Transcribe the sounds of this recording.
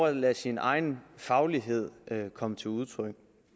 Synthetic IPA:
ɐ̥læsinɑ̈ɪn̩fɑ̈ʊliɦe̝ð̞̰ˠøkʰɒ̽mət͡sʰe̝luð̞ˠt͡sʰʁœɡ̥̚

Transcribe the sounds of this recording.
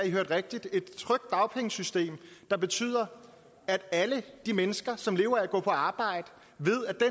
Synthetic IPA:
iɦøɐd̥ʁeɡ̥̚d̥id̥e̝d̥̚t͡sʰʁœɡ̥̚d̥ːɑ̈ʊpʰeŋəsysd̥e̝̰ːmd̥ɑ̈b̥e̝t͡sʰy̰ːð̰ˠɐ | æd̥æləd̥imenəsɡ̥ɐsɒ̽mle̝ːʊɐæɡ̥ɔ̰̽ːpʰɒ̽ɑ̈ːb̥ɑ̈ɪ̰d̥ə | ʋe̝ð̰ˠæd̥e

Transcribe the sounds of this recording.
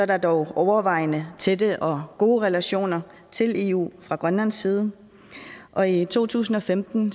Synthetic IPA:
sɒɐɾɑ̈d̥ɒʊɒʊɐʋɑ̈ɪ̰nət͡sʰed̥əʔɒ̽ɡ̥o̝ːʁɛlæɕo̝̰ːnɐ | t͡sʰe̝le̝̰ːṵːfʁɑ̈ɡ̥ʁɶnlænsːiːð̞ˠə | ʔɒ̽it͡sʰo̝̰ːt͡sʰṵːsn̩ɒ̽femd̥n̩

